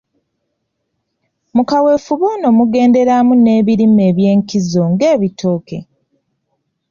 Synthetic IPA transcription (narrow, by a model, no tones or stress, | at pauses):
mukawe̞fuβono̞muɡe̞ːnde̞ɾamune̞ːβiɾime̞ːβje̞ːŋkizo̞ŋɡe̞ːβitʰoːke̞̰